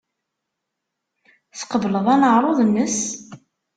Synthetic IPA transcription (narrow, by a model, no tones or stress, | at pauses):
θqəvləðˤænəʁɾˤoðˤmːəs